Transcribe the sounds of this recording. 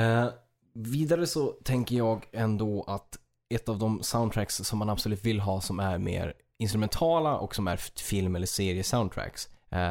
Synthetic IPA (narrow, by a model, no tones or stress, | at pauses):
viːd̪aɾəsɔt̪ʰɛŋkəɾjɑːɡɛnd̪oːʔat̪ | ɛt̪ːavd̪ɔmsaʊnt̪ʰɾæksːɔmːanabsɔlʉ̟ːt̪vɪlːɦɑːsɔmæɾmḛːɾ | ɪnst̪ɾʉmɛnt̪ʰɑːlaʔɔ̰ksɔmæ̰ɾfɪlmɛlːəʂeːɾɪəsaʊnd̪t̪ʰɾæ̰ks